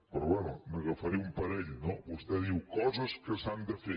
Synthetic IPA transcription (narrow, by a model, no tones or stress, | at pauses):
pɾɔβɛnuməɣəfəɾiumpəɾɛʎnoβust̪ɛðiwkɔzəskəsand̪əfe